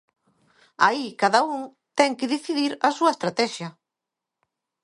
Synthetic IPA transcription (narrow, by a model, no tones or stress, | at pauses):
aikaðɐuŋ | t̪ɛŋkɪðiθiðiɾɐsuɐest̪ɾat̪ɛʃjɐ